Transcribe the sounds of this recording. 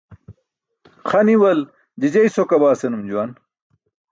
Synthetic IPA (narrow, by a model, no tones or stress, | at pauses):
χɐniwɐl | d͡ʑid͡ʑɐjsokɐbaːsenumd͡ʑuwɐn